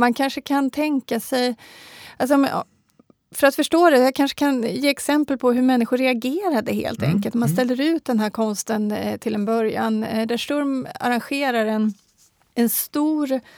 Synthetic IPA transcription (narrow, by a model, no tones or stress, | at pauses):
mankʰanʂəkʰant̪ʰɛŋkasɛjals̬ɔm̰ | fœɾat̪fœʂʈoːd̪ɛjakʰanʂə̥kʰanjeːɛksɛmpəlpʰɔɦɵɾmɛnːɪɧʊɾɛaɡeːɾad̪əhḛːlt̪ʰɛ̰ŋkəlt̪ɔmanst̪ɛlːəɾʉ̟ːt̪̚d̪ɛnɦæːɾkʰɔnst̪ənt̪ʰɪld̪ɛnbœɾja̰nd̪æʂʈɔɾma̰ɾanɧeːɾaɾɛn | ɛnst̪uːɾ